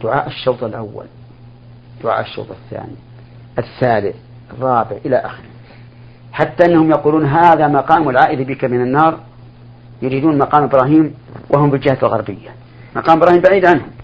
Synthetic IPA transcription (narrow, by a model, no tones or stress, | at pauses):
d̪̥ʊʕa̰ːʔɪʃːowt̪ˤalʔa̰wːa̰l | d̪̥ʊʕa̰ːʔɪʃːo̰ːt̪ˤɪθːa̰ːni | ʔɪθːaːlɪθ | ɑrˤːɑːbɪʕʔɪlaʔa̰xɪɾɪ | ħat̪ːaʔɪnːahʊmjɑquːluːnɦaːðamɑqɑːmʊlʕaːʔɪlibikamɪnanːɑːɾˤ | jʊɾiːd̪uːnmɑqɑːmʔɪbɾɑːɦiːmwʔaɦʊmfiɪld͡ʒɪhalɣɑɾˤbɪjːa | mɑqɑːmɪbɾˤɑːhiːmbaʕiːd̪ʕanhʊm